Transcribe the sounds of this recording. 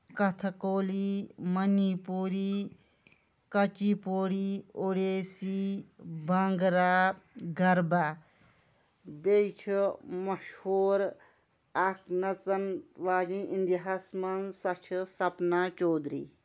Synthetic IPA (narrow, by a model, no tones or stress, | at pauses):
kɐt̪ʰɐkoːlimɐnipuːɾi | kɐt͡ʃiːpoːɽiːoɽeːsibɐŋɡɾaːɡɐɾba | bet͡ʃʰimɐʃhoːɾ | aknɐt͡sɐnʋaːd͡ʒĩʔind̪iɦasmɐnsɐt͡ʃʰisɐpnaːt͡ʃoːd̪ɾḭː